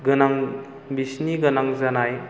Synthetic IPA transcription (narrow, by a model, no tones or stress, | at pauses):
ɡɯnaŋ | bisniɡɯnaŋzanaj